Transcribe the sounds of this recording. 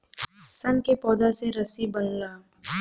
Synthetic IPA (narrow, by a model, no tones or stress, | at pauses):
sɐnkepɔːd̪aseɾɐsibɐnlaː